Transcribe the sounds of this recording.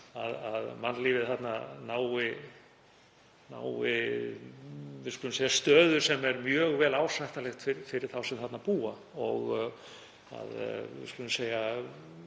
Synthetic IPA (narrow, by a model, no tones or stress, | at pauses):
aðaðmanliːvɪθat̪nanaːwɪ | na̰ːwɪ | vɪskʏlʏmseːjast̪œːðʏɾ̥sɛmɛɾmjœːɣvɛːlaːwsajht̪alɛxt̪fɪɾfɪɾɪɾ̥θawsɛmθat̪napuːa | ɔɣ | a̰ðvɪ̰skʏlʏmseːja